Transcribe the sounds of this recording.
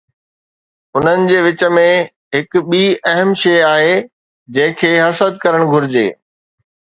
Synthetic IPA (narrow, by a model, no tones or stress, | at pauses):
ʊn̤ənɪ̆d͡ʑeːʋɪt͡ɕə̆mẽ | ɦɪkɓiːɐɦəmʃeːaːɦeː | d͡ʑɐ̃ɦɪ̃kʰeːɦɐsəd̪kɐɾəɽ̃ɡʱʊɾɪd͡ʑḛː